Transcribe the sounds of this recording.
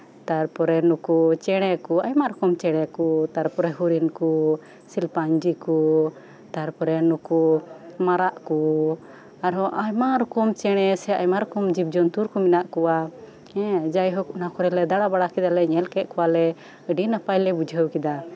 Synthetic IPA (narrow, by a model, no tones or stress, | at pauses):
t̪aɾpɔɾɛnɔkut͡ʃɛɽ̃ɛkuajmaɾɔkɔmt͡ʃɛɽ̃ɛkut̪aɾpɔɾɛɦuɾinku | silpaɲd͡ʒiku | t̪aɾpɔɾɛnɔkumaɾaʔku | aɾɔʔajmaɾɔkɔmt͡ʃɛɽ̃ɛsɛajmaɾɔkɔmd͡ʒib̚d͡ʒɔnt̪uɾkɔminaʔkɔwa | ɛ̃d͡ʒajɦɔknakɔɾɛlɛd̪aɽabaɽakid̪alɛɲɛlkɛt̪̚kɔwalɛ | əɖinapajlɛbud͡ʒʱəwkid̪a